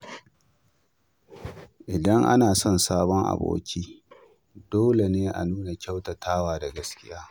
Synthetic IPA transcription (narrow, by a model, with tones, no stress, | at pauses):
ʔɪ˨dɐ˦ŋʔa̰˦naː˨sɔ˦˨nsaː˦bɔ˦ŋʔa̰˨bo̰ː˦kʲiː˦ | d̥oː˦le˨neː˦ʔa̰˨nuː˦na˨kʲa˦wtɐ˨tʰaː˦waː˨da˨ɡɐ˦skʲɪ˦jaː˦